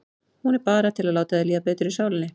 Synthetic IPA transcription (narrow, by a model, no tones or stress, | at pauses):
hunɛɾpɑːɾat̪ʰɪlalaːwt̪aðɛliːapeːt̪ʏɾɪsaːwlɪnɪ